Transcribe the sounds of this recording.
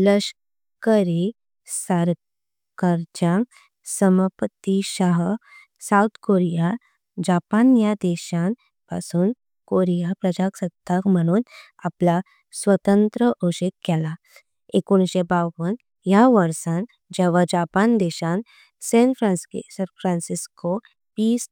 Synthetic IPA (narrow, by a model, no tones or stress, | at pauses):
ləɕ | kəɾi | saɾ | kəɾd͡ʑãŋk | səməpət̪iɕaɦ | saut̪ʰkoɾija | d͡ʑapanjad̪ɛɕan | pasuːn | koɾijapɾəd͡ʑaksəd̪ʱːakm̤əɽ̃uːn | apla | sʋət̪ənt̪ɾəʔoɕekːɛla | ekoñɕebaʋən | jaʋəɾsãn | d͡ʑɛʋad͡ʑapand̪ɛɕan | sẽnfʰɾassfʰɾãnsisko | piːs